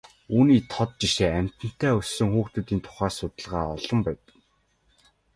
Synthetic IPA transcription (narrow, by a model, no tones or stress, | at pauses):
uːniːt̪ʰɔt̪̚t͡ɕiʃeːæm̥ʲt̪ɘ̆n̥t̪ʰæːɵsːɵ̆ŋxuːxt̪ɘ̆t̪iːnt̪ʰʊ̥χæːsʊt̪ə̆ɮʁaːɔɮɞ̆mpæːt̪̆